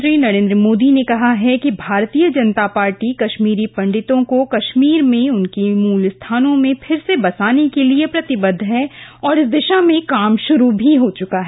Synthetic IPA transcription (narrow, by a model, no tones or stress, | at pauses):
ʃɾiːnɐɾẽːnd̪ɾəmoːd̪inekɐɦaɦɛkibʱaːɾt̪ijəd͡ʒɐnt̪apaːɾʈikɐʃmiːɾipɐ̃ɳɖɪt̪õkokɐʃmiːɾmẽʊnkimuːlst̪ʰaːnõmẽpʰɪɾsebɐsaːnekeliepɾɐt̪ɪbəd̪ʱɦɛɔːɾɪs̬d̪ɪʃamẽkaːmʃʊɾubʱiɦot͡ʃʊkaɦɛ